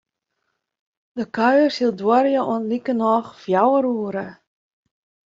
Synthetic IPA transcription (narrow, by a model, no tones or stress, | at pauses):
dəkœɥərsilˠdwɔɾjəʔuənlikənɔxfjawəruəɾə